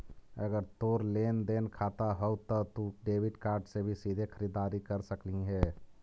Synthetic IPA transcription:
əɡəɾt̪oːɾleːnd̪eːnkʰaːt̪aɦəut̪ɔt̪uɖeːbɪɖkaːɾɖsebʱisiːd̪ʱekʰəɾiːd̪aːɾikəɾsəkliɦɛː

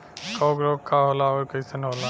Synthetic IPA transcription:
koːɡɾoːkʰːaːɦolaokəisənɦoːla

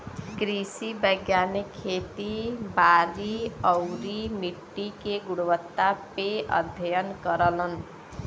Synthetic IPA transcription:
ɡɾisibʌjɡjanekʰːet̪ibaɾiʌwɾimiʈːikeɡuɽuwʌt̪ːapeʌ̰d̪ʱjʌjʌnkʌɾʌlʌn

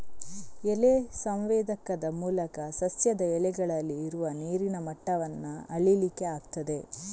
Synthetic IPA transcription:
elesɐmʋeːd̪ɐkɐd̪ɐmuːlɐkɐsɐsjɐd̪ɐɛlɛɡɐɭɐlːiːɾuʋɐniːɾinɐmɐʈːɐʋɐnːɐɐɭilikːe̞aːɡt̪ɐd̪e̞

